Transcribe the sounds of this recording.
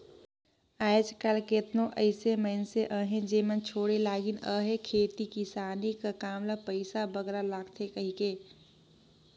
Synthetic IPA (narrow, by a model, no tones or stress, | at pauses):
aːd͡ʒkəlket̪nõʔəɪseməɪnseʔəːɦẽd͡ʒeːmənt͡ʃʰoːɽelaːɡinəːɦẽkʰeːt̪ikisaːnikakaːmlapəɪsabəɡɾalaːɡt̪ʰekəɦikeː